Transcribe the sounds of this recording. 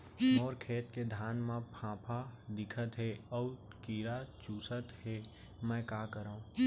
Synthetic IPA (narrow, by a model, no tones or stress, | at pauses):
ɔːɾkʰeːt̪ked̪ʱaːnmãpʰãːpʰad̪ɪkʰət̪ɦeɔː | kiːɾat͡ʃuːsət̪ɦe | mɛ̃ːkaːkəɾaũ